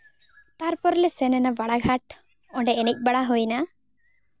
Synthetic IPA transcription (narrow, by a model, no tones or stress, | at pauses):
t̪aɾpɔɾlesɛnɛnabaɽaɡʱaʈ | ɔɳɖɛːnic̚ˀbaɽaɦojna